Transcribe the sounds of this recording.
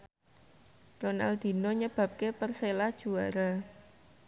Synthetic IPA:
ronald̪̥i̤nɔɲəb̥ä̤p̚kepərselad̥ʒ̥ṳaɾa

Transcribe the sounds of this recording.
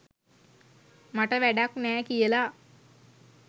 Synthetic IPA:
maʈəʋæɖaknɛːkijəla

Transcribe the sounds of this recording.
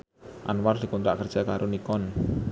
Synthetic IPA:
ʔa̰nward̪̥i̤kɔnɾaʔkərd̥ʒ̥akaɾʔonikɔn

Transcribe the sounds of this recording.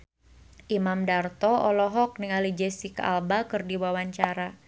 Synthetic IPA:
ʔimamdart̪ɔɔlɔɦɔk̚niŋalid͡ʒɛsika̰lbakɨrdiwawaɲt͡ʃaɾa

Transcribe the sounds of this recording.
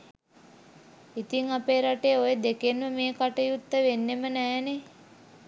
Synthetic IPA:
it̪iŋapeːɾaʈejːojəd̪ekenʋəmeːkaʈəjut̪ːəʋenːemənɛːne

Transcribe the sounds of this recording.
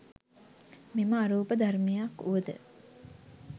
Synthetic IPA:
miməaɾuːpəd̪ʱarmijakːuʋəd̪ə̰

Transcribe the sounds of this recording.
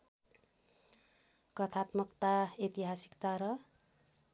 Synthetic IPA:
kʌt̪ʰat̪mʌkt̪aet̪iɦasi̥kt̪aɾʌ

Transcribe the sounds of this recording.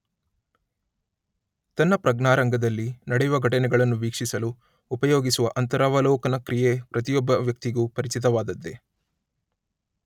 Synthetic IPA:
t̪ɐnːɐpɾɐɡnaːɾɐŋɡɐd̪ɐlːinɐɽɛjuʋɐɡʱɐʈɐnɛɡɐɭɐnːuʋiːkʂisɐluː | pɐjoːɡisuʋɐʔɐnt̪ɐɾaːʋɐlɔːkɐnɐkɾijepɾɐt̪ijɔbːɐʋjɐk̚t̪iɡuːpɐɾit͡ʃit̪̬ɐʋaːd̪ɐd̪ːe̞

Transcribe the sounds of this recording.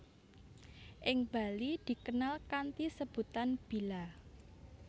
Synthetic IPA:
ʔɪŋb̥a̤lid̪̥i̤kənalkant̪isəb̥ṳt̪anb̥i̤la

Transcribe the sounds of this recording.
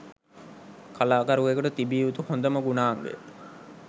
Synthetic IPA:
kʰalaːkaɾuʋekuʈɐt̪ibiːʋut̪uhond̪ɐməɡunaːŋʋḛ

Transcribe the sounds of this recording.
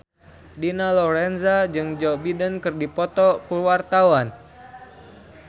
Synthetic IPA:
dinalɔɾɛnzad͡ʒɨŋd͡ʒɔbidənkɨrdipɔt̪ɔkuwart̪awan

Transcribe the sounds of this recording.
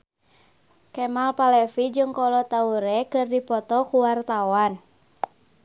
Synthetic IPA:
kɛmalpalɛfid͡ʒɨŋkɔlɔt̪auɾɛkɨrdipɔt̪ɔkuwart̪awan

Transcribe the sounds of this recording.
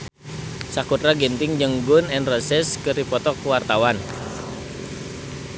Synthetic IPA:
sakut̪ɾaɡɛnt̪ɪŋd͡ʒəŋɡunɛnrəsɛskɨrdipɔt̪ɔkuwart̪awan

